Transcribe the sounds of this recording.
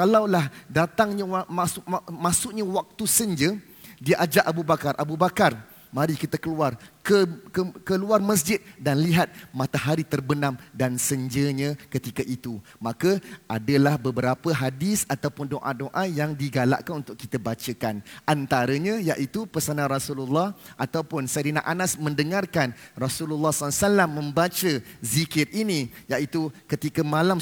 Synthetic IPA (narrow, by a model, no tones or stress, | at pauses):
kalawlahdat̪aŋɲawmasmasʊʔɲawak̚t̪usəɲd͡ʒə | diəʔad͡ʒaʔabubakarʔabubakar | mãɾikit̪akəluarkəkəkəluarməs̬d͡ʒɪt̪̚danliɦat̪̚mat̪aɦaɾit̪ərbənãmdansəɲd͡ʒəɲakət̪ikaʔit̪u | mãkəʔadəlahbəbəɾapəɦadisat̪awpʊndoʔadoʔajaŋdiɡala̰ʔkanunt̪ʊkːit̪əbat͡ʃəkanʔant̪aɾəɲajaʔit̪upərsananrɔsululːɔhʔat̪awpʊnsaɾina̰ʔanasmə̃ndəŋarkanrɔsululːɑhsɔasalamːə̃mbat͡ʃəzikɪt̪inijaʔit̪ukət̪ikəmãlam